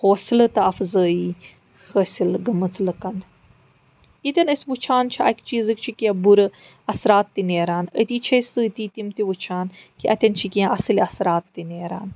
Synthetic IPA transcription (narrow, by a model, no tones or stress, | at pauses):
hoːsilɐt̪ɐɐfzəːi | həsʲilɡɐmɨt͡sʰlɐkɐn | it̪ʲɐnəsʲʋut͡ʃʰaːnt͡ʃʰiɐkt͡ʃiːzɨk̚t͡ʃʰikiãbuɾɨ | ɐsɾaːt̪ːineːɾaːnə̰t̪iːt͡ʃʰɐsɨːt̪iːt̪imt̪iʋut͡ʃʰaːn | kiʔɐt̪ʲɐnt͡ʃʰikiãʔɐsɨliɐsɾaːt̪ːineːɾa̰ːn